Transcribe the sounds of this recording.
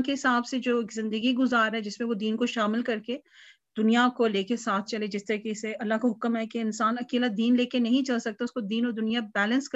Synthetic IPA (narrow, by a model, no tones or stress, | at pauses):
keɦɪsaːbsed͡ʒoːkzɪ̃nd̪əɡiɡʊzaːɾɦɛd͡ʒɪsmẽʋod̪iːnkoʃaːmɪlkɐɾke | d̪̥ʊnijakoleːkesaːt̪̚ʰt͡ʃɐled͡ʒɪst̪ɐɾkeseɐlːaɦkaɦʊkmɦɛkeɪnsaːnɐkeːlad̪iːnleːkenɐɦĩt͡ʃɐlsɐk̚t̪aʊskod̪iːnɔːɾd̪ʊnijabɛːlə̃nsk